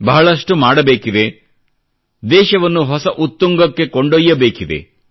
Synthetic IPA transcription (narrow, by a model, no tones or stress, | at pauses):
bɐɦɐɭɐʂʈumaːɽɐbeːkid̪e̞ | d̪ɛːʃɐʋɐnːuɦɔsɐʔut̪ːuŋɡɐkːe̞koɳɖojːɐbeːkid̪e̞̰